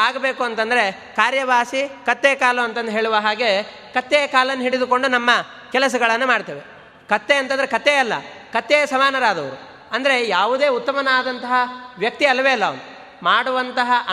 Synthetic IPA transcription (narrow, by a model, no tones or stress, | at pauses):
aːɡɐbe̞ːkuɐnt̪ɐnd̪ɐɾe̞ | kaːɾjɐʋaːsikɐt̪ːekaːluɐnt̪ɐnd̪uɦe̞ːɭuʋɐɦaːɡe̞ | kɐt̪ːejkaːlɐnːuɦiɽid̪uko̞ɳɖunɐmːɐ | kɛlɐs̬ɐɡɐɭɐnːumaːɽt̪ɐːʋe | kɐt̪ːeɐnt̪ɐnd̪ɐɾekɐt̪ːeɐlːɐ̰ | kɐt̪ːejɐsɐmaːnɐɾaːd̪ɐʋɐɾu | ɐnd̪ɐɾe̞jaːʋud̪e̞ːut̪ːɐmɐnɐaːd̪ɐnt̪ɐɦɐʋjɐk̚t̪iɐlɐʋeɐlːɐʋɐ̰nu | maːɽuʋɐnt̪ɐɦɐʔɐ